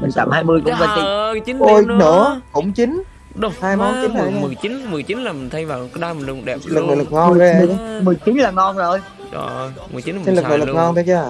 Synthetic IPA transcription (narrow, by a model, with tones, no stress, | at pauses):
mï˨˩ŋ̟t̪a̰ː˧˨mhaː˧jmɨ˧əjkʊ̰˧˥ŋ͡mvaː˨˩t͡ɕi˧˩t͡ɕi˨˦no˧jnɨ̰˧˥əkʊ̰˧˥ŋ͡mt͡ɕi˨˦n | ɗo˧˦wŋ͡mhaː˧jmɔ˨˦nt͡ɕi˨˦na˨˩˨mɨ˨˩jt͡ɕi˨˦nm˨˩jt͡ɕi˨˦nlaː˨˩mï˨˩nt̪ʰə˨˦jvaː˨˩wɗa˧mi˨˩nlɗɛ˨˩˧lɨ˨˩k̚nɨ̰ː˧˩lɨ˨˩k̚ŋɔ˧n˧˦˧mɨ˨˩əjt͡ɕi˨˦nlaː˨˩ŋɔ˧nzo˨˩j | ɗɔ̰˧˩˧ | mɨ˨˩ji˨˦˨i˨˦nlɨ˨˩knɨ̰˨˩lɨ˨˧k̚ŋɔ˧nt̪ʰə˨˦˥t͡ɕaː˧˩